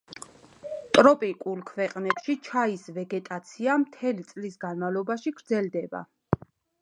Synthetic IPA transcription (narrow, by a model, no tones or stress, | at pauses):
t̪ʼɾɔpʼikʼulˠkʰvɛqʼnɛpʃit͡ʃʰaisvɛɡɛt̪ʼat̪sʰiamt̪ʰɛlit̪sʼlisɡanmavlˠɔbaʃiɡɾd̪zɛld̪ɛba̰